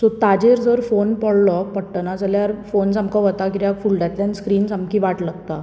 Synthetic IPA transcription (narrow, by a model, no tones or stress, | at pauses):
sɔt̪ad͡ʑeɾd͡zəɾfonpɔɽlɔpəɽʈənad͡zəljaɾfonsamkɔʋət̪akiɾjakfuːlɖat̪lanskɾiːnsamkiʋaʈlaɡt̪a